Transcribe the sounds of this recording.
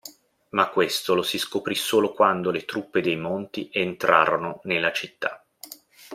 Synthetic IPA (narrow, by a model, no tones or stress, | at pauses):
makːwest̪olosiskopɾisoːlokwand̪olet̪ɾupːed̪ejmont̪iʔent̪ɾʔa̰ːɾononelːat͡ʃit̪ːa̰